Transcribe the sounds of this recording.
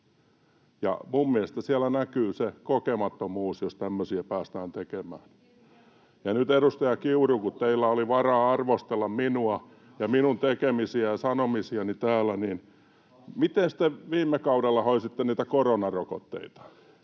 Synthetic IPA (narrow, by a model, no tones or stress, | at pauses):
jɑ̰mummiæst̪æsiælænækyːsekokemɑt̪ːomuːsjost̪æmːøsiæpæːst̪æːnt̪ekemæ̰ːn | jɑnyt̪eɾust̪ɑjɑkiurukut̪t̪eilːæoliʋɑrɑːɑrʋost̪elːɑmminuɑ | jɑminunt̪ekemisiæjɑsɑnomisiɑnit̪æːlːˑæniːn | mit̪enst̪eʋiːmːekɑudelːɑhoisit̪ːeniːt̪ækoronɑroko̰t̪ːḛit̪ɑ̥